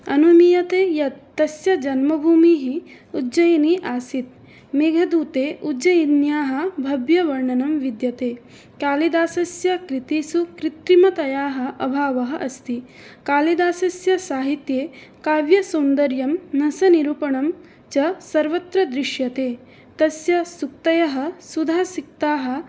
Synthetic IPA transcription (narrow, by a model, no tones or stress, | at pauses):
ɐnumijɐt̪eːjɐt̪ːɐsjɐd͡ʒɐnmɐbʱuːmiɦi | ud͡ʒɐjɐniʔaːsit̪ | meːɡʱɐd̪uːt̪eːʔud͡ʒɐjid̪njaːɦɐ̆bʱɐbjɐʋɐɾɳɐnɐmʋid̪jɐt̪eː | kaːlid̪aːsɐsjɐkɾit̪iːsukɾit̪ɾimɐt̪ɐjaːɦɐ̆ʔɐbʱaːʋɐɦɐʔɐst̪i | kaːlid̪aːsɐsjɐsaːɦit̪jeːkaːʋjɐsɐnd̪ɐɾjɐmnɐsɐniɾuːpɐɳɐm | t͡ʃɐsɐɾʋɐt̪ɾɐd̪ɾiʃjɐt̪eː | t̪ɐsjɐsuk̚t̪ɐjɐɦɐ̆sud̪ʱaːsik̚t̪aːɦɐ̆